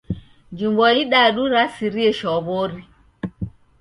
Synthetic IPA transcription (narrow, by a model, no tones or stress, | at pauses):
d͡ʒumbɔjiɗaɗuɾasiɾiɛʃɔboɾi